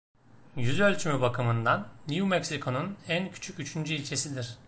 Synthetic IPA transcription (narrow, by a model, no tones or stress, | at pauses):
jyzø̞lʲt͡ʃʰymybakʰɯmɯnd̪anːijumɛcsikʰo̞nunæncʰy̥t͡ʃʰycyt͡ʃʰynd͡ʒyilʲt͡ʃʰe̞sid̪iɾ̥